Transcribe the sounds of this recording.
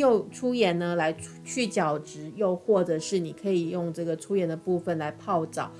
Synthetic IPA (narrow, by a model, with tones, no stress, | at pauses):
jo˥˧ʊʈ͡ʂʰu˥jɛ˧˥nə˧la˧˥ɪu˥t͡ɕʰy˥˩t͡ɕjɑ˨˩ʊʈ͡ʂɻ̩˧˥jo˥˧ʊxwɔ˥˩ʈ͡ʂɤ˨˦ʂɻ̩˥˩ni˨˩kʰɤ˧˥i˨˩jʊ˥˧ŋʈ͡ʂɤ˥˩ɡə˩ʈ͡ʂʰu˥jɛ˧˥nd̪ə˧pu˥˩fə˨˩nla˧˥ɪpʰɑ˥˩ʊʈ͡ʂɑ̰˨˦ʊ